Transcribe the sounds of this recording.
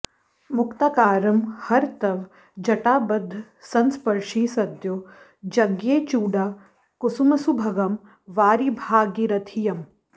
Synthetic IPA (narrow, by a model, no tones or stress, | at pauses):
mʊkt̪akaːɾɐmhɐɾt̪ɐʋ | d͡ʒɐʈaːbɐd̪ʱː | sɐnspɐɾʃiːsɐd̪jo | d͡ʒɐɡjeːt͡ʃuːɖaː | kusumɐsubʱɐɡɐm | ʋaːɾibʱaːɡiɾɐt̪ʰijɐm